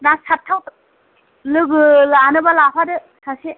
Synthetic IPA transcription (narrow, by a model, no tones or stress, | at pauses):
nasʰatʰːawt | lɯɡɯlanɯbalapʰadɯ | sʰasi